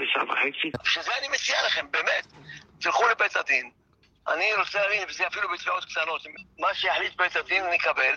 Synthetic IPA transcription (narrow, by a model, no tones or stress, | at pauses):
eʃa̰va̰heksiaʃazeanimet͡sialaχembeːmet̪t̪ilχulebet̪ad̪in | ʔa̰niɾot͡selaːvinvezeafilubit̪aot̪kt̪ano̞t̪immaʃejaħlit̪̚bet̪ad̪inanikabel